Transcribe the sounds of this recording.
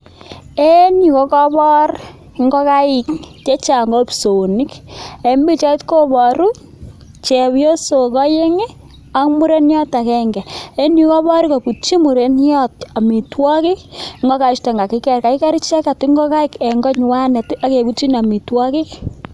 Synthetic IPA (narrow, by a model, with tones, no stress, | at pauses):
e˦ni˨kɔ˦kɔ˦bɔ˦r | ŋɡɔ˦ka˦ɪ˨kt͡ʃe˦t͡ʃa˨ŋɡɔ˦pso˨ni˦ke˦mbi˦t͡ʃa˦i˦tko˦bɔ˨ɾu˦ | t͡ʃɛ˨bjo˦so˨kɔ˦je˦ŋe˦ | a˦kmu˦ɾe˦njɔ˦ta˨kɛ˦ŋɡɛ˨e˦ni˨kɔ˦bɔ˦ɾi˦kɔ˨ku˨t͡ʃi˦mu˨ɾe˦njɔ˦ta˨mi˨twɔ˦kɪ˦kŋɡɔ˦ka˨t͡ʃtɔ˨ŋɡa˨kɪ˦kɛ˨rka˨ɪ˦kɛ˦ɾi˦t͡ʃɛ˦ka˨ti˦ŋɡɔ˦ka˦ɪ˦ke˨ŋɡɔ˦ɲ˨wa˦ne˨ta˦ke˨ku˦t͡ʃi˦na˨mi˨twɔ˦kɪ˦k